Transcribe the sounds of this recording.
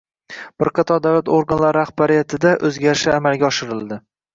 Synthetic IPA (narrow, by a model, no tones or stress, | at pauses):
b̥ɪɾqʰɑt̪ʰɒd̪awlat̪ʰoɾɡanlaɾaχbaɾɪjat̪ʰɪd̪aʔɵzɡʲaɾɪʃaamalɡʲaɒʃɪɾɪlˠd̪ɪ